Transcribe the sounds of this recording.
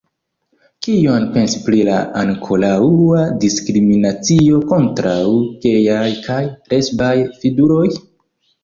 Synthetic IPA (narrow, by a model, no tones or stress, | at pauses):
kio̞npe̞nsi̥pɾilaaŋkʰo̞lauadiskɾiminat͡sio̞ko̞ntɾawke̞jajkʰajɾe̞sbajfiɡuɾo̞j